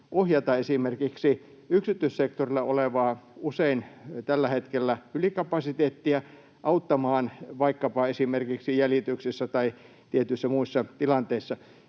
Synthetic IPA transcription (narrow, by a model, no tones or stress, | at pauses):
ʔohjɑt̪ɑesimerkiksi | yksit̪yissek̚t̪orilːˑɑoleʋɑːuseint̪ælːæhet̪kelːæylikɑpɑsit̪eːt̪ːiæ | ʔɑut̪ːɑmɑːnʋɑikːɑpɑesimerkiksijælit̪yksisːæt̪ɑi | t̪iet̪ysːæmuisːɑt̪ilɑnt̪eisːɑ